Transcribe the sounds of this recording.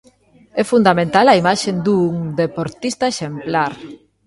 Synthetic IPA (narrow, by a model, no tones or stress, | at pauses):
ɛfund̪amẽnt̪alaimaʃend̪uŋd̪epoɾt̪ist̪aeʃemplaɾ